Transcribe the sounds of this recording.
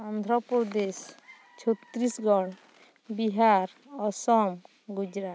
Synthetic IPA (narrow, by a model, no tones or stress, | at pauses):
and̪ʱɾɔpɔd̪es | t͡ʃʰot̪ːɾisɡɔɽ | biɦaɾ | ɔsɔm | ɡud͡ʒɾat̪